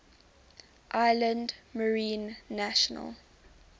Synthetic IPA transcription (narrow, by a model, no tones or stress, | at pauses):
ʔaɪlə̃ndməɹĩːnːaʃənə̰lˠ